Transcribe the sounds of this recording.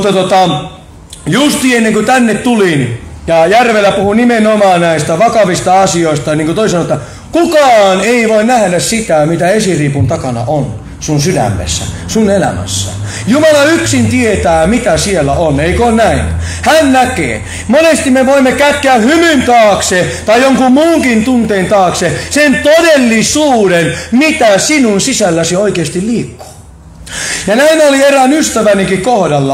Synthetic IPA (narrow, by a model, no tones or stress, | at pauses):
mt̪ːɑt̪ot̪ɑ | just̪iːenːeŋkut̪ænːet̪t̪ulinjɑjærʋelːˑæpuhunimenomɑːnnæist̪æʋɑkɑʋist̪ɑɑsioist̪ɑniːŋkot̪oisɑnoet̪ːɑ | kukɑːneiʋoinnæhdæssit̪æmit̪æesiriːpunt̪ɑkɑnɑ̰ʔon | sunsydæ̰mːḛsːæ̰sunelæ̰mæ̰sːæ̰ | jumɑlɑyksint̪iet̪æːmit̪æsielːæʔoneikonnæinhænnækḛː | monest̪imːeʋoimːekækːeæhymynt̪ɑːkset̪ɑijjoŋkummuːŋkint̪unt̪eːnt̪ɑːksesent̪odelːisuːdenmit̪æsinunsisælːæsioikeːst̪illiːkːo̥ː | jɑnæinolierænyst̪æʋæniŋkikkohdɑlːɑ